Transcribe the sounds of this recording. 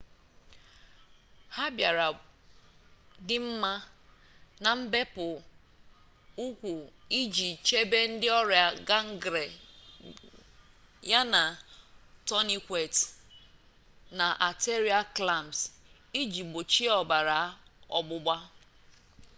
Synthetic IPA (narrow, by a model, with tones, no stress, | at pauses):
ha˦bja˨ɾa˨ | dɪ˦m̩˦ma˦ | na˨m̩˦be˦pʊ˨ | u˦kʷu˨i˦d͡ʒi˨t͡ʃe˦be˦n̩˦dɪ˦ɔ˦ɾja˨ɡa˦ŋ̩˦ɡɾe˨ | ja˦na˨ | tɔ˦ni˦kʷe˨t | na˨ʔa˨te˦ɾi˦a˦kla˨ms | i˦d͡ʒi˨ɡ͡bo˨t͡ʃi˦ɔ˨ba˨ɾa˨˦ɔ˨ɡ͡bʊ˦ɡ͡ba˦